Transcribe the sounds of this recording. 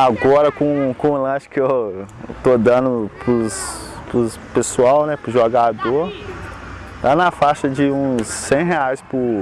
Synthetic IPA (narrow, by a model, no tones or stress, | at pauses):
aɡɔɾɐkõkõʊlɐ̃ʃɪ̥kɪewt̪od̪ɐ̃nʊpɾʊs | pɾʊ | pesuawnɛpɾʊʒoɡad̪oɾ | t̪anɐfaʃɐd͡ʒɪũsːẽj̃ɦeajspɾʊ